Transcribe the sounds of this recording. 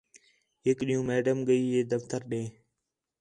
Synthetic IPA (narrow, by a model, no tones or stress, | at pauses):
ɦɪkɗiːũːmeːɖəmɡəiːɦeːd̪əft̪əɾɗẽː